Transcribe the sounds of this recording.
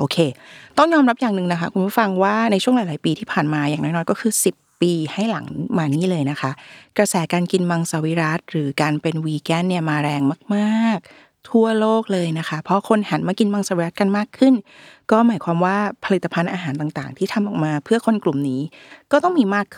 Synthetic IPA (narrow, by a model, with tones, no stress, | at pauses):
ʔoː˧kʰeː˧t̪ɔ˥˩ŋjɔː˧mɾa˦˥p̚jaː˨˩ŋnɯ˨˩ŋna˦˥kʰa˦˥kʰu˧npʰu˥˩fa˧ŋwaː˥˩na˧jt͡ɕʰu˥˩əŋlaː˨˦jlaː˨˩˦piː˧t̪ʰiː˥˩pʰaː˨˩nmaː˧jaː˨˩ŋnɔː˦˥nɔː˧nkɔː˥˩kʰɯː˧si˨˩pːiː˧ha˥˩jla˩˦ŋmaː˧niː˦˥˩lɤː˧jna˦˥kʰa˦˥ʔkɾa˧sɛː˩˦kaː˧nki˧nma˧ŋsa˨˧wi˦˥ɾa˦˥t̪̚ɾɯː˩˦kaː˧npe˧nwiː˧kɛ˦˥˩nni˥˩ɐmaː˧ɾɛː˧ŋmaː˥˩k̚maː˥˩k̚ | t̪ʰu˥˩ɐloː˥˩k̚lɤː˧jna˦˥kʰa˦˥pʰɾɔ˦˥kʰo˧nha˩˦nmaː˧ki˧nma˧ŋsaː˧˦wi˦˥ɾa˦˥t̪̚ka˧nmaː˥˩kʰɯ˥˩n | kɔː˥˩maː˩˦jkʰwaː˧mwaː˥˩pʰa˧li˨˩t̪ːa˧pʰa˧nʔaː˧ɦaː˩˦nt̪aː˨˩ŋt̪aː˨˩ŋt̪ʰiː˥˩t̪ʰa˧mʔɔ̰ː˨˩k̚maː˧pʰɯ˥˩ɐkʰo˧nklu˨˩mniː˦˥kɔː˥˩t̪ɔ˥˩ŋmiː˧maː˥˩kʰː